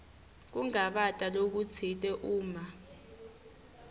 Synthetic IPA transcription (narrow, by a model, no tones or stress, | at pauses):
k̬uŋaɓatʼalok̬ut͡sʰitʼɛʔuːma